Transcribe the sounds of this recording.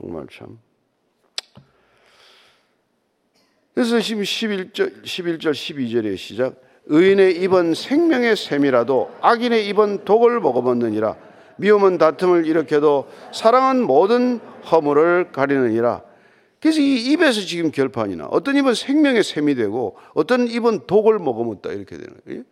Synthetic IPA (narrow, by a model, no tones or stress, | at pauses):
o̰ŋma̰ɭt͡ɕʰa̰m | kes̬ʌɕiɕʰibiɭt͡ɕ͈ʌɕʰibiɭt͡ɕ͈ʌɭɕʰibid͡ʑʌɾe̞̰ɕʰid͡ʑak̚ | ɯine̞ibʌnsʰe̞ŋmjʌŋe̞sʰe̞miɾadoaɡine̞ibʌntoɡɯɭmʌɡʌbʌnːɯɲiɾa̰ | miumɯntatʰɯmɯɾiɾʌkʰedosʰaɾaŋanmodɯnhʌmuɾɯɭkaɾinɯɲiɾa̰ | ke̞s̬ʰʌɡiːbe̞s̬ʰʌt͡ɕiɡɯmkjʌɭpʰaɲina̰ʔʌ̰t͈ʌnibʌnsʰeŋmjʌŋe̞sʰemidwe̞ɡo̰ | ʌt͈ʌnibɯntoɡɯɭmʌɡʌmʌt̚t͈a̰iɾʌkʰe̞dwḛn̰ŋɡʌ̰